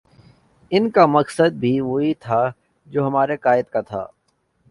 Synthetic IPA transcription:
ɪnkamɐksəd̪̚bʱiʋoːit̪ʰa | d͡ʒoːɦɐmaːɾekaːɪd̪kat̪ʰa̰ː

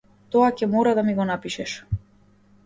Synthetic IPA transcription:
t̪ɔacɛmɔɾad̪amiɡɔnapiʃɛʃ

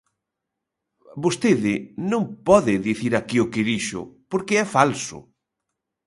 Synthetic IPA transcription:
bost̪eðɪnõŋpɔðɪðiθiɾakiʊkɪðiʃʊ̰poɾkɪɛfalsʊ̰

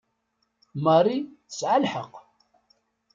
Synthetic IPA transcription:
mɑrˤiθə̥sʕalħəq

